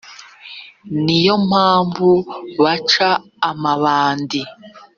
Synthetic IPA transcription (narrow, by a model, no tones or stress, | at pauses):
nijo̞m̥haːɱvuβat͡ʃaː | maβaːndi